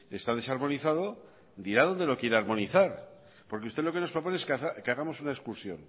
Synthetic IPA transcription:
e̞st̪að̞e̞saɾmo̞niθaðo̞ | d̪iɾað̞o̞nd̪e̞lo̞kje̞ɾeaɾmo̞niθaɾ | po̞ɾkeust̪elo̞ke̞no̞spɾo̞po̞neeskθakeaɣamo̞sunaeskuɾsjo̞̰n

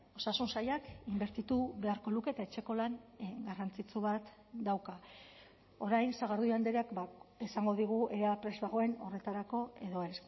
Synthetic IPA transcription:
o̞sasunsajakimbe̞ɾt̪it̪uβe̞aɾko̞luke̞ːt̪aet͡ʃe̞ko̞laŋɡarant͡sit͡suβat̪ | d̪awka | o̞ɾajnsaɣaɾðuand̪eɾeakbaesaŋɡo̞ðiɣ̞ue̞ɾeapɾe̞zβaɣo̞e̞no̞re̞t̪aɾako̞e̞ðo̞es

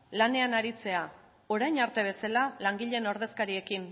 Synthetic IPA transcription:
lane̞anaɾit͡se̞a | o̞ɾajɲaɾt̪e̞β̞e̞salalaŋɡiʎe̞no̞ɾð̞e̞skaɾie̞kin

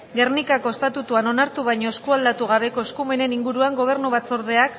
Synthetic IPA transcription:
ɡe̞rnikako̞est̪at̪ut̪uano̞naɾt̪uβajɲo̞eskuald̪at̪uɣaβ̞e̞ko̞eskume̞ne̞niŋɡuɾuaŋɡo̞β̞e̞ɾnuβ̞at͡so̞ɾð̞e̞ak

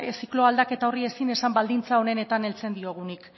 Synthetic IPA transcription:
siklo̞ald̪ake̞t̪ao̞rie̞sine̞sambald̪int͡sao̞ne̞ne̞t̪ane̞lt͡se̞nd̪io̞ɣ̞unik

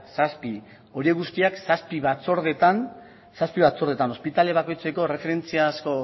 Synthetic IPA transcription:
saspi | o̞ɾie̞ɣust̪iaksaspiβat͡so̞ɾðe̞t̪an | saspiβat͡so̞ɾð̞e̞t̪ano̞spit̪ale̞βako̞jt͡se̞ko̞re̞fe̞ɾe̞nt͡siasko̞

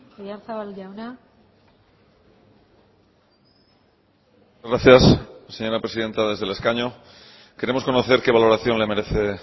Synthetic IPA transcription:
ajanθaβalawna | uzɣɾaθjasse̞ɲo̞ɾapɾe̞siðe̞nt̪aðe̞zðe̞le̞skaɲo | ke̞ɾe̞mo̞sko̞noθe̞ɾke̞β̞alo̞ɾaθjo̞nle̞me̞ɾe̞θe̞

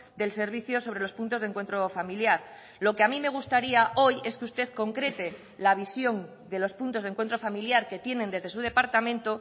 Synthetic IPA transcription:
d̪else̞ɾβ̞iθjo̞so̞βɾe̞lo̞spunt̪o̞zðeŋkwent̪ɾo̞familjaɾ | lo̞keamime̞ɣ̞ust̪aɾiaʔo̞je̞skeust̪e̞ðko̞ŋkɾe̞t̪e̞ | laβ̞isjo̞n | d̪e̞lo̞spunt̪o̞zðŋkwe̞nt̪ɾo̞familjaɾke̞t̪je̞nẽ̞nd̪eðesuð̞e̞paɾt̪amẽ̞nt̪o

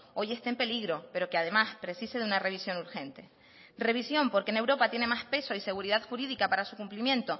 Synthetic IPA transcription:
o̞je̞st̪empe̞liɣɾo̞pe̞ɾo̞keað̞e̞maspɾe̞sise̞ðeunare̞β̞isjo̞nuɾxẽ̞nt̪e̞ | re̞β̞isjo̞mpo̞ɾkene̞wɾo̞pat̪je̞ne̞maspe̞so̞ise̞ɣ̞uɾiðaðxuɾiðikapaɾasukumplimjẽ̞nt̪o̞

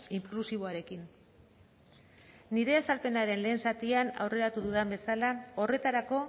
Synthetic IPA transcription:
iŋklusiβo̞aɾe̞kin | iɾe̞asalpe̞naɾe̞nle̞ːnsat̪iana̰wre̞ɾat̪uðuðambe̞salao̞re̞t̪aɾako̞

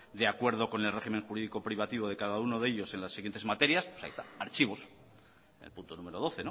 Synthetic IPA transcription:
d̪eakwe̞ɾð̞o̞ko̞ne̞lre̞ximeŋxuɾiðiko̞pɾiβ̞at̪iβ̞o̞ð̞e̞kaðauno̞ðe̞ʎo̞se̞nlasːiɣjent̪e̞zmat̪e̞ɾjaspwosa̰ḭst̪aaɾt͡ʃiβ̞o̞s | ḛlpunt̪o̞nũme̞ɾo̞ð̞o̞θe̞no

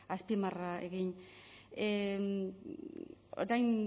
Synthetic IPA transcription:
aspimaraḛɣiɲ | e | o̰ɾajn

